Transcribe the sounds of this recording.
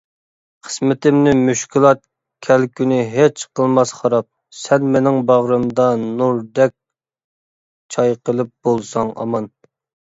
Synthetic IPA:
qʰə̥smɪt̪ɪmnɪmyʃkʲʰilˠɑt̪̚ | kʲʰælkʲʰynɪɦet͡ʃqʰəlˠmɑsχɑɾɑp̚ | sɛnmenɪŋbɑʁɾɨmd̪ɑnuɾd̪ɛk̚ʲ | t͡ʃʰɑjqəlˠɨp̚b̥olˠsɑŋʔɑ̰mɑn

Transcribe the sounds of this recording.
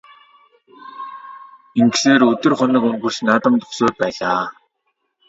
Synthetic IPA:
iŋɡseːɾɵt̪ɵ̆rχɔnə̆kɵŋɡɵ̆rt͡ɕnaːt̪ə̆mt̪ʊ̥χsoːt̪̚pæːɮaː

